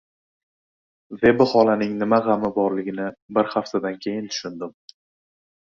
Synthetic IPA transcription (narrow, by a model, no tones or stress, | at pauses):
ve̞bɪχɒlanɪŋnɪmaʁɑmɪbɒɾlɪɡʲɪnɪbɪɾχaft̪ʰad̪ankʲʰe̞jɪnt̪ʰʊ̥ʃʊnd̪ɪm